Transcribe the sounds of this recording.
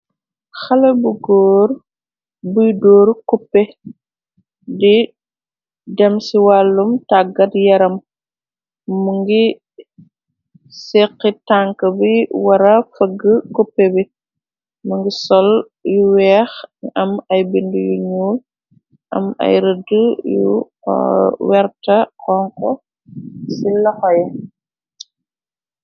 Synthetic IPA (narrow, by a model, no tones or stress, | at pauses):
xɐlɐbuɡɔːɾ | bujdɔːɾkupːɛ | di | dɛmsiwalːumtaɡɐtjɐɾɐm | mːuŋɡi | sɛqːitaŋkəbiwɐɾɐfəɡːəkɔpːebi | muŋɡisɔl | juwɛːxɐmɐjbindujuɲuːl | ʔɐ̰mɐ̰jɾədəjṵ | wɛɾtɐkɔŋkɔ | silɐxɔjɛ